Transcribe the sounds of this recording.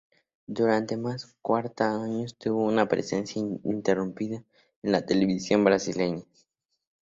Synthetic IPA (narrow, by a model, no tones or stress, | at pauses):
d̪uɾant̪e̞maskwaɾt̪aaɲost̪uβounapɾḛsensjaint̪erumpiða | enlat̪eleβisjo̞mbɾasileɲa